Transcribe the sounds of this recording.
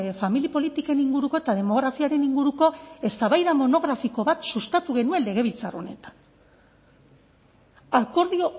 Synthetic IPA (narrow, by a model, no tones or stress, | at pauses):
familipo̞lit̪ike̞niŋɡuɾuko̞et̪að̞e̞mo̞ɣ̞ɾafiaɾe̞niŋɡuɾuko̞e̞st̪aβajðamo̞no̞ɣ̞ɾafiko̞βat̪sust̪at̪uɣ̞e̞nuenle̞ɣ̞e̞β̞ilt͡saro̞̰ne̞t̪ḁn | ako̞ɾðio̞